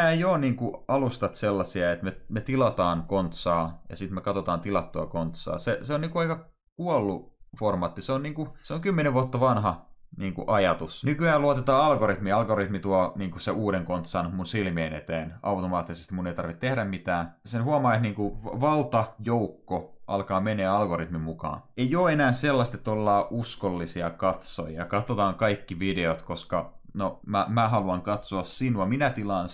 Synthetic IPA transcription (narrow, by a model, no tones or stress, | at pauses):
æːjoːniːŋkuɑlust̪ɑt̪selːɑsiɑet̪memet̪ilɑt̪ɑːnkont̪sɑːjɑ̰sit̪mekɑt̪ot̪ɑːnt̪ilɑt̪ːoɑkont̪sɑ̰ːseseoniːkuɑikɑ | kuolːuformɑːt̪ːiseonniːŋkuseoŋkymːeneʋuɑt̪ːɑʋɑnhɑniːŋkṵʔɑjɑt̪usnykyæːluɑot̪et̪ɑːɑlɡorit̪miɑlɡorit̪mit̪uɑniːŋkuseʔuːɾeŋkont̪sɑːnomunsilmieːnḛt̪eːnɑwt̪omɑːt̪ːisest̪imuneit̪ɑrʋit̪t̪ehɾæmmit̪æːsenhuɑmɑːet̪niːŋkuʋɑlt̪ɑjoukːoʔɑ̰lkɑːmeneːɑlɡorit̪mimukɑ̰ːnejoːenæːselːɑst̪et̪ːolːɑːʔuskolːisiɑkɑt̪so̰jɑ̰kɑt̪ːot̪ɑːŋkɑikːiʋideot̪koskɑnomæmæɦɑluɑŋkɑt̪soɑssinuɑminæt̪ilɑn